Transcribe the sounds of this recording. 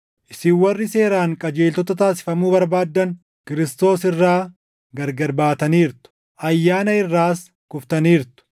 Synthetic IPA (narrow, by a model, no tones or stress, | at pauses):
ʔɪsiwːɐrːɪse̞ːɾaːŋkʼɐd͡ʒe̞ːlt̪ɔt̪ɐt̪aːsɪ̥fɐmuːbɐɾbaːd̪ːɐn | kɪɾɪst̪o̞ːsɪrːaː | ɡɐɾɡɐɾbaːt̪ɐniːɾt̪ʊ̥ | ʔɐjːaːnɐɪrːaːs | kʊft̪ɐniːɾt̪ʊ̥